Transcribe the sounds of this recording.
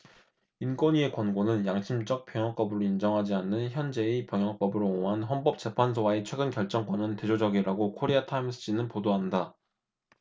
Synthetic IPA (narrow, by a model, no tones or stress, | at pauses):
ink͈wʌɲie̞kwʌnɡonɯnjaŋɕʰimd͡ʑʌk̚p͈jʌŋjʌŋp͈ʌbɯɾoind͡ʑʌŋɦad͡ʑianːɯnçjʌnd͡ʑe̞ːpjʌŋjʌŋp͈ʌbɯɾooŋɦanɦʌnp͈ʌp̚t͡ɕ͈e̞pʰans̬ʰowaet͡ɕʰwe̞ɡɯnkjʌɭt͡ɕ͈ʌŋk͈wʌnɯnte̞d͡ʑod͡ʑʌɡiɾaɡokʰoɾeatʰaimsʰɯɕ͈ʰinɯnpodoɦanda